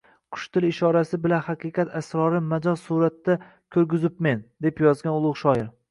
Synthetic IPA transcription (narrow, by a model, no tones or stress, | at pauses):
qʰʊ̥ʃt̪ʰɪlɪʃɒɾasɪbɪlanhaqʰɨqɑt̪ʰasɾɒɾɪmad͡ʒɒzsuɾat̪ːa | kʲʰɵɾɡʲɪzɪpmend̪e̞pjɒzɡʲanʊlˠʊʁʃɒɪɾ